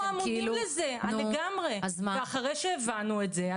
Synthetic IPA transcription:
amuidimlezenaleɡamʁeazmaeaχaʁejʃeːvanuetzea

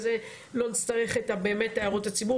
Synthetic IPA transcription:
ze | lo̞nit͡staʁe̞χetabe̞ːmetːajaʁotat͡sibu

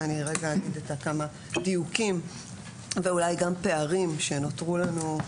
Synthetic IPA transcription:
aniʁeɡaːɡidetakama | dijukim | veulajɡampe̞aʁimʃe̞no̞tʁulanu

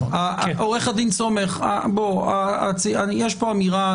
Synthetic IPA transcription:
aʔoʁeχad̪int͡so̞me̞χa̰boat͡siajeʃpoamiʁa

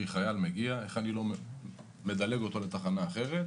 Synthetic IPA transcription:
iχajalmeɡiae̞χanilo̞ | me̞d̪ale̞ɡo̞t̪o̞le̞t̪aχanaːχe̞ʁet̪

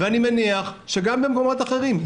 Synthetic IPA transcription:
veanimeniaχʃe̞ɡambe̞mko̞mo̞t̪aχe̞ʁim

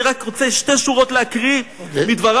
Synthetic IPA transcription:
ʁakʁot͡seʃteʃuʁotleakʁi | mid̪vaʁ

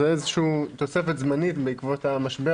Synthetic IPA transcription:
eezeʃuuːt̪o̞se̞fet̪zmanit̪beikvot̪hamaʃbe

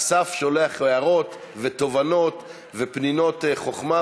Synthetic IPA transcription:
safʃo̞leaχojaʁo̞t̪ | vet̪o̞vanot̪ | vepnino̞t̪eχo̞χma

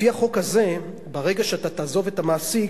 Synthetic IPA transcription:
fiaχo̞khaze̞ | baʁeɡaʃeatat̪aːzo̞ve̞tamaːsi

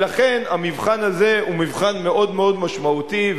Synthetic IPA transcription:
laχe̞namivχanaze̞umivχanme̞ʔo̞d̪meo̞d̪maʃmaut̪iv

